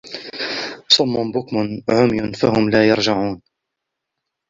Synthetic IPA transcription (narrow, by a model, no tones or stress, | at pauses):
sˤʊmːʊmbʊkmʊnʕʊmjʊnfahʊmlaːjɑɾˤd͡ʒaʕuːn